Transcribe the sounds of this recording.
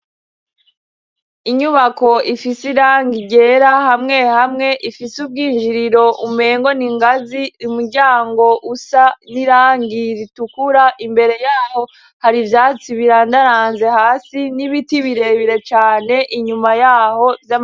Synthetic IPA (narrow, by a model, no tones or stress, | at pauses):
iɲuβako̞ifisiɾaːŋɡiɟe̞ɾahamŋe̞hamŋe̞ʔifisub̚ɡiːnʒiɾiɾo̞ʔume̞ːŋɡo̞niŋɡaziumuɾɟaːŋɡo̞ʔusaniɾaːŋɡiɾitukuɾaʔimbe̞ɾe̞jaːho̞ | haɾivjaːt͡siβiɾandaɾaːnze̞haːsiniβitiβiɾe̞βiɾe̞t͡ʃaːne̞ʔiɲumajaːho̞vjam